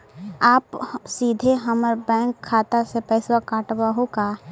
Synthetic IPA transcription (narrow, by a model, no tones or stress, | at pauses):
aːpsiːd̪ʱeɦəməɾbɛ̃ːŋkʰːaːt̪asepɛɪswakaːʈwaɦokaː